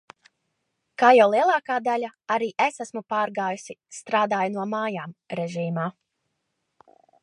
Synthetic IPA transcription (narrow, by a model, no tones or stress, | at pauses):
kaːjawlˠiɛlˠɑːkaːd̪alʲaaɾiːʔesasmupaːɾɡaːjusist̪ɾaːd̪aːjunuɔmaːjaːmɾɛʒiːmaː